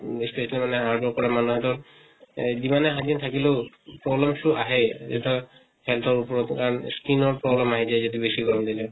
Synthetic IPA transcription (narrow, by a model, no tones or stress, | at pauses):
speʃalimaneɦaɾbɔɾkɔɾamanuɦɛt̪ɔɾ | bimaneɦad͡ʒint̪ʰakileʊ | pɾɔblɔmsuʔaɦed͡ʒḛʈʰɔ | helt̪ʰɔɾupɔɾɔt̪kaɾɔnskinɔɾpɾɔblɔmaɦed͡ʒajd͡ʒod̪ibeʃiɡɔɾɔmd̪ile